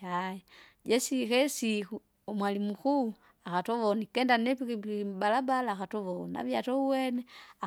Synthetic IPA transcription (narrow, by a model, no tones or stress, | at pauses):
ajɛ | d͡ʒɛsikɛsiku | ɔmwalimuku | akatɔʋɔnikɛndanɛpikiibalabalaːkatɔʋɔnia̰vjatɔuwɛnɛa